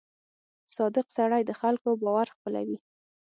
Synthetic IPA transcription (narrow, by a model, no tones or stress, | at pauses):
sɑd̪ɪqsaɽajd̪əxalkobɑwaɾxpəla̰wi